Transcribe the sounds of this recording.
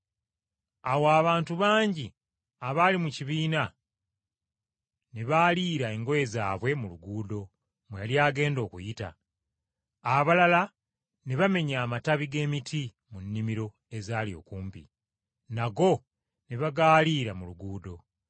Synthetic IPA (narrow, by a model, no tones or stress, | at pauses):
awaːβaːntuβaːɲɟi | aβaːlimuciβiːna | neβaːliːɾae̞ŋɡo̞je̞za̰ːβwe̞muluɡuːdo̞ | mweβaljaːɡe̞ːndo̞ːkṵjita̰ | βalala | neβame̞ɲaːmataβiɡe̞ːmitʰi | munːimiɾo̞ | e̞zaːlio̞̰ːkuːmpḭ | naɡo̞ | neβaɡaːliːɾamuluɡuːdo̞